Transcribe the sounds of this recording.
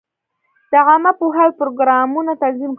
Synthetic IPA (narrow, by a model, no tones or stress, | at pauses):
d̪̥əʕamapuɦalpɾoɡɾɑmunat̪anzimk